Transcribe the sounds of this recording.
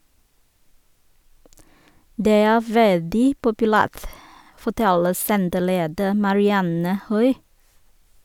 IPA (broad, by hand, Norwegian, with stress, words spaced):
ˈdeː ˈæː ˈʋɛldɪ pʊpʉˈlæːʁt fɔˈtɛlə ˈsɛntəˌleːdə mɑɹɪˈɑnə ˈhœʏ